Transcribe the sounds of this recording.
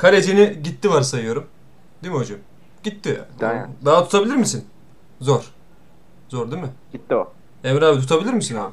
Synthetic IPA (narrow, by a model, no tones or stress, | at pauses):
kʰaɾed͡ʒiniɟit̪ːivaɾsajɯjo̞ɾum | d̪imiɦo̞d͡ʒam | ɟit̪ːɪd̪aɦat̪ʰu̥t̪ʰabilʲiɾmisin | zoɾ̥ | zoɾd̪imɪ̥ | it̪ːi | emɾaːbit̪ʰut̪ʰabilʲiɾmisinaa